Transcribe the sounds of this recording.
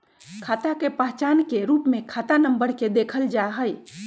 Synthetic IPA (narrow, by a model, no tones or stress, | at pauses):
kʰat̪akepəɦt͡ʃankeɾupmekʰat̪anəmbəɾked̪ekʰəld͡ʒaɦəj